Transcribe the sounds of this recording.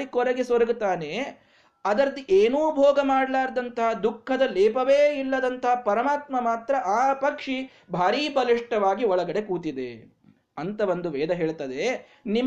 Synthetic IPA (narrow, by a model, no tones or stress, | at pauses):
ikɔɾɐɡesoɾɐɡut̪aːne | ɐd̪ɐɾɐd̪iʔeːnuːbʱɔːɡɐmaːɽlaːɾd̪ɐnt̪ɐɦɐd̪ukʰːɐd̪ɐleːpɐʋeːilːɐd̪ɐnt̪ɐɦɐpɐɾɐmaːt̪mɐmaːt̪ɾɐʔaːpɐkʂi | bʱaːɾiːbɐliʂʈɐʋaːɡiɔɭɐɡɐɽe̞kuːt̪id̪ḛ | ɐnt̪ɐʋond̪uʋeːd̪ɐɦe̞ːɭt̪ɐd̪e | nim